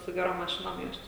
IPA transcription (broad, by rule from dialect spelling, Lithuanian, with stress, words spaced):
sʊ ɡʲɛˈroːm mɐˈʃʲɪnoːm ˈjuɔs ˈt͡ʃʲɛ